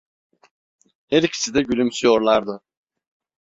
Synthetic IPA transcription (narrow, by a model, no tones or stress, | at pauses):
hɛɾicʰi̥sid̪ɛɟylʲymsyjo̞ɾlˠaɾd̪ɯ